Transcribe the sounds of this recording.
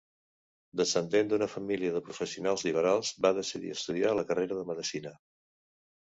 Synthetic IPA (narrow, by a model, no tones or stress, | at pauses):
d̪əsənd̪end̪unəfəmiliəðəpɾufəsiunalˠzliβ̞əɾalˠz̥baðəsiðḭəst̪uð̞ialəkəreɾəðəməðəsinə